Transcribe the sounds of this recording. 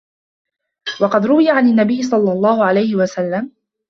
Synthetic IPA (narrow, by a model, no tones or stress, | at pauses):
wɑqɑd̪ɾʊwɪjaʕanɪnːabɪjːɪsˤɑlːɑlˤːɑːhʊʕalajhɪwasalːam